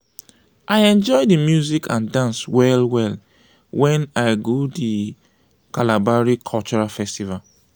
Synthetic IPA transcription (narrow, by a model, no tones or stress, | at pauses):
ʔajɛ̃nd͡ʒɔɪdimjuzikʰãndãnswɛlwɛl | wɛ̃naɪɡodi | kalabaɹikʰɔlt͡ʃɔɹafɛstival